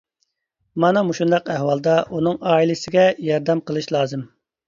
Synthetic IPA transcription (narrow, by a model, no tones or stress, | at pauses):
mɑnɑmuʃund̪ɑqɛhwɑlˠd̪ɑʔunɨŋɑːilɪsɪɡʲɛjɑɾd̪ɛmqəlˠɨʃlˠɑːzɨm